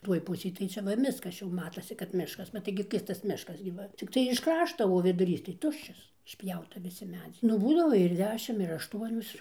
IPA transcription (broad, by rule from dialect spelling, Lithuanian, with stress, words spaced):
ˈtuɔj ˈpʊsʲeːj tɐɪ ˈt͡ʃʲɛ ˈʋɐ ˈmʲɪskɐs ˈt͡ʃʲɛ jɛʊ ˈmɑːtoːsʲɪ kɐt ˈmʲɪʃkɐs bʲɛt ˈtɐɪɡʲɪ ˈkʲɪrstɐs ˈmʲɪʃkɐs ɡʲɪ ˈʋɐ t͡sʲɪkˈtɐɪ ɪʃ ˈkrɑːʃtoː oː ʋʲɪdʊˈrʲiːs tɐɪ ˈtʊʃʲt͡ʃʲɛs ɪʃʲˈpʲjɛʊtɐ ʋʲɪˈsʲɪ ˈmʲæːd͡zʲɛɪ nʊ ˈbuːdɐʋoː ɪr ˈdʲæːʃʲɪm ɪr ɐʃˈtuɔnʲoːs